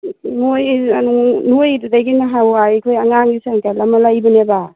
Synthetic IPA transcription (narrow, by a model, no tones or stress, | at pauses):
nojanunojdudajɡinaɦawajkʰojaŋaŋisaŋkalamalajbɔneba